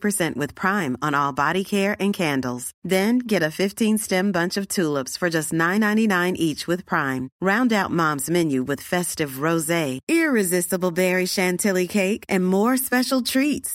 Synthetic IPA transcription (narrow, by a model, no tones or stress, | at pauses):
pʰə˞sɛ̃nʔwɨð̥pʰɹ̥ãɪ̃mə̃nɔlˠbɑɾikʰɛɹʔɨ̃nkʰæ̃ndl̩ˠz̥ðɨ̃nɡɛɾɨfɪftʰĩnstɛ̃mbʌ̃nt͡ʃʌv̥tʰulˠəpsfə˞d͡ʒʌstⁿnãɪ̃nːãɪ̃ninãɪ̃nʔit͡ʃwɨð̥pʰɹ̥ãɪ̃mɹãʊ̃ndaʊt̚mɑ̃mzmɛ̃njʉwɨð̥fɛstɨvɹoʊzeɪɪɹɪzɪstəbl̩ˠbɛɹiʃæ̃ntʰɪlˠikʰeɪkɨ̃nmɔɹspɛʃl̩ˠtʰɹ̥its